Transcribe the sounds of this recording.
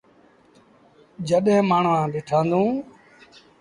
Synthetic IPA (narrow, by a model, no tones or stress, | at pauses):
d͡ʒəɗɪ̃maːɳ̤ʋãːɗɪːʈʰãːnd̪ũː